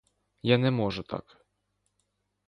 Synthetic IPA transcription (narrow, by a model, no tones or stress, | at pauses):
janʲɛmɔʐɛt̪a̰k